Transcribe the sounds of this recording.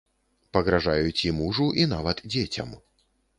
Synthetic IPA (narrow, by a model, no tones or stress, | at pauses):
pɐɣɾaʐajut͡sʲimuʐuʔinavɐt̪d͡zʲet͡sʲɐ̰m